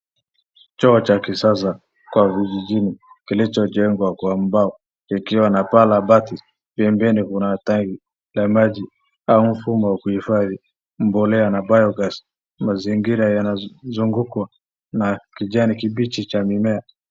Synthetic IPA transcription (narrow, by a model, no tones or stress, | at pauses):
t͡ʃɔːt͡ʃakisasa | kwavid͡ʒid͡ʒini | kilit͡ʃɔd͡ʒɛŋɡwakwam̩baɔ | kikiwanapalabati | pɛmbɛnikunataŋɡi | lamaʄi | aum̩fumɔwakuhifaði | m̩bɔlɛanabajɔɡas | maziŋɡiɾajanazuŋɡukwa | nakiʄanikiɓit͡ʃit͡ʃamimɛa